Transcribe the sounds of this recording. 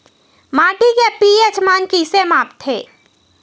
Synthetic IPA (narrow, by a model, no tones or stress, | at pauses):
maːʈikepiet͡ʃmaːnkisemaːpt̪ɦeː